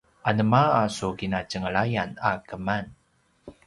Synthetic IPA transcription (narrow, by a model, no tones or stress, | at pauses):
ʔanəmaːsukinacəŋəɭajanakəman